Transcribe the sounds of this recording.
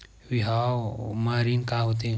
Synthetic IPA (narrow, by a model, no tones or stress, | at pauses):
wiɦawmaɾinkaɦut̪̬e